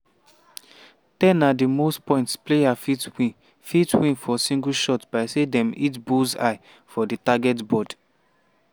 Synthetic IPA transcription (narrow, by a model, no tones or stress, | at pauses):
tɛ̃nadimostpɔ̃ɪ̃ntspleafitwĩ | fitwĩnfɔsĩŋɡulʃɔtb̥aɪsedɛ̃mit̬buza̰ɪ | fɔditaɡɛtbɔd